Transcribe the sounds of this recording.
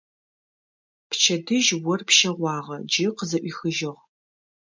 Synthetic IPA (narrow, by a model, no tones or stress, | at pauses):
pt͡ʃʰɐdɨʒwɔrpʰʃɐʁʷɑːʁɐd͡ʒɪqəzɐʔʷiːxɨʒɪʁ